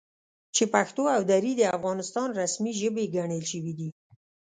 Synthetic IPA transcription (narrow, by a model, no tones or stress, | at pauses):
t͡ʃepaxt̪oawd̪aɾid̪əafɣɑnɪst̪ɑnɾasmiʒəbeɡaɳəlʃəwid̪i